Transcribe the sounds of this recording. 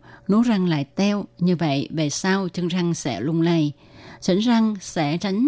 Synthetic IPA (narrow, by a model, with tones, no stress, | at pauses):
nu˨˦za˧˩ŋla̰ː˧˨jt̪ɛ˧wɲɨ˧və̰˧˨jve˨˩saː˧wt͡ɕɨ˧ŋt͡ɕa˧ŋsɛ̰˧˥lʊ˧˩ŋ͡mlə˨˩j | t͡ɕi˧˥ŋ̟za˧ŋsɛ̰˧˥t͡ɕa˨˦ŋ̟